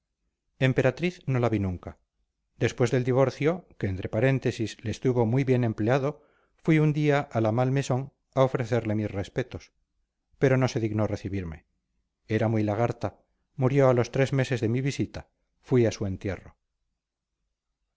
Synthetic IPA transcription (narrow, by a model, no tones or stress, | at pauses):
e̞mpe̞ɾat̪ɾiθno̞laβinũŋka | d̪e̞spwe̞zðe̞ld̪iβ̞o̞ɾθjo̞ke̞ːnt̪ɾe̞paɾe̞nt̪e̞sisleːst̪uβo̞mwijβje̞nẽ̞mpleaðo̞ | fwiund̪iaʔalamalme̞so̞ŋ | ao̞fɾe̞θe̞ɾle̞misre̞spe̞t̪o̞s | pe̞ɾo̞no̞se̞ðiɣnore̞θiβiɾme̞̰ | eɾamijlaɣaɾt̪a | muɾjo̞alo̞st̪ɾe̞zme̞se̞zðe̞miβisit̪a | fwiasue̞nt̪je̞̰ro̰